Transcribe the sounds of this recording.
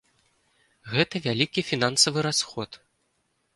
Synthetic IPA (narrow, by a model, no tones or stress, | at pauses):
ɣɛt̪ɐvʲalʲikʲifʲinansɐvɨɾasxɔt̪